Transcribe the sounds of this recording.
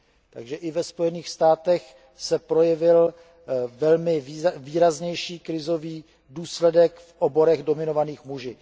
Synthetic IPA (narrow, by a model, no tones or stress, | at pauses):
t̪a̰ɡʒɛʔɪvɛspo̞jɛniːxst̪aːt̪ɛx | sɛpɾo̞jɛvɪl | vɛlmɪviːɾazɲɛjʃiːkɾɪzo̞viː | duːslɛdɛkfʔobo̞ɾɛɣdo̞mɪno̞vaniːxmuʒi